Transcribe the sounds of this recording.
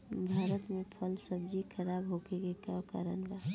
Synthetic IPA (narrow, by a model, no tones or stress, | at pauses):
bʱaːɾət̪mẽpʰəlsəbd͡ʒixʰəɾaːbɦokekekaka̰ɾənbaː